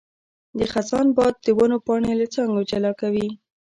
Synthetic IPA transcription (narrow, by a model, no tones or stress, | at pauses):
d̪əxasɑnbɑd̪̚ːəwanopɑɳelat͡sɑŋɡod͡ʒalɑkawi